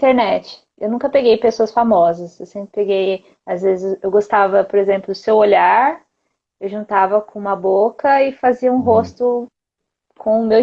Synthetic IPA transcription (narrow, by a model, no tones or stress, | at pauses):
t̪eɾnɛt͡ʃɪ̥ | ewnũkɐpeɡejpesoɐsfamɔzɐsewsẽmpɾɪpeɡej | azvezɪsewɡost̪avɐpoɾezẽmplʊd̪ʊsewoʎaɾ | ewʒũnt̪avɐkõũmɐbokɐɪfaziɐũɦost̪ʊ | kʰõʊmew